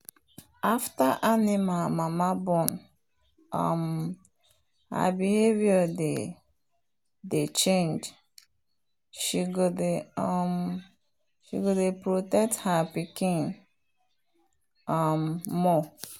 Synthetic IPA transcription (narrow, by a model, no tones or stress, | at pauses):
aftaʔanimamamabɔ̃n | a̰m | ha̰bihevjɔde | det͡ʃẽnd͡ʒ | ʃiɡodeɔm | ʃḭɡodepɾotɛk̚thapikĩn | amːɔ